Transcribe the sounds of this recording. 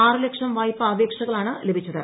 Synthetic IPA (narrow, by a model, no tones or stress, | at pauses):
aːrɨlekʂɐmʋaːjpːɨɐːʋeːkʂɐɣɐɭaːɳɨlebʱit͡ɕːɐðɨ